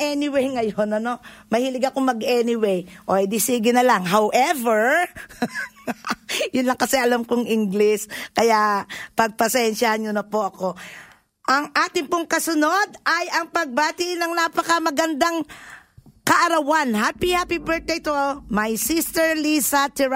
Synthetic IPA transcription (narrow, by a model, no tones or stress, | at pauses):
ʔɛnɪwejŋɐjonɐno̞mɐhɪlɪɡɐkoŋmɐɡɛnɪwejʔod̪ɪsiːɡɪnɐlaŋɦawʔɛvɛɹ | jʊnlɐŋkɐsɛɐlamkoŋʔɪŋɡlɪskɐjapɐɡ̚pɐsɛnʃahɐnɲonɐpoʔɐko̞ | ʔɐŋʔaːt̪ɪŋpoŋkɐsʊnod̪ʔɐjʔɐŋpɐɡ̚baːt̪ɪnɐŋnapɐkɐmɐɡɐnd̪aŋ | kɐʔɐɾɐwanɦapihapibɛɹt̪̚d̪eɪjt̪omɐjsist̪ɛɹlisɐt̪ɛɹ